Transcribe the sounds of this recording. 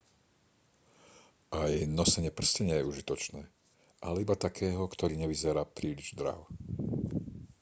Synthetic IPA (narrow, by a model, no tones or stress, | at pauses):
ʔajnɔsɛɲɪɛpr̩scɛɲɪɛjɛuʒit̪ɔt͡ʃnɛː | ʔalɛibat̪akʰɛːɦɔkt̪ɔɾiːɲɛʋizɛɾaːpɾiːliʒd̪ɾa̰ʊ